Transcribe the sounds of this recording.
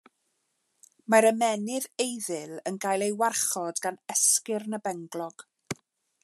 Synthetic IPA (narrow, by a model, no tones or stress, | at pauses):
maɾəmɛnɪðejðɪlˠənɡajlˠejwarχɔdɡanɛskɪrnəbɛŋɡlˠɔɡ̥